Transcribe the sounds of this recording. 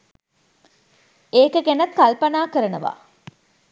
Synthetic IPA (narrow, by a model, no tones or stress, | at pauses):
eːkəɡenɐt̪kalpɐnaːkəɾənəʋa̰ː